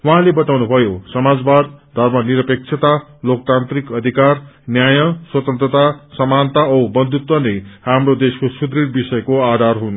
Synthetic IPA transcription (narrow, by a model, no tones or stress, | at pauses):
wʌɦãlebʌt̪awnubʱʌjosʌmad͡zbad̪̚d̪ʱʌrmʌniɾʌpek̚t͡sʰʌt̪alok̚t̪ant̪rikʌd̪ʱikarnjajʌswʌt̪ʌnt̪rʌt̪asʌmant̪aʌwbʌnd̪ʱut̪wʌnejhamrod̪eskosud̪riɽbisʌjʌkoad̪ʱarɦun